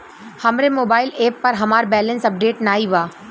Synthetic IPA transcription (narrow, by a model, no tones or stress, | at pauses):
hɐmɾemoːbaːɪleːpːɐɾɦɐmaːɾbɛːlənsɐp̚ɖeːʈnaːiʋaː